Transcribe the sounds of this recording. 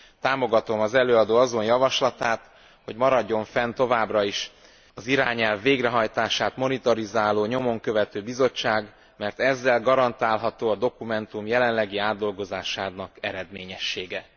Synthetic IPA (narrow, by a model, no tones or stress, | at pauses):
t̪aːmo̞ɡɒt̪o̞mɒzɛløːɒd̪oːɒzo̞njɒvɒʃlɒt̪aːt̪ | ho̞ɟmɒɾɒɟːo̞ɱfɛnt̪o̞vaːbrɒiʃ | ɒziɾaːɲɛlvːeːɡrɛɦɒjt̪aːʃaːt̪mo̞nit̪ɒɾizaːloːɲo̞mo̞ŋkø̞vɛt̪øːbizo̞t͡ʃːaːɡ | mɛrt̪ɛzːɛlɡɒɾɒnt̪aːlɦɒt̪oːɒd̪o̞kumɛnt̪umjɛlɛnlɛɡiaːd̪ːo̞lɡo̞zaːʃaːnɒkɛɾɛd̪meːɲɛʃːeːɡɛ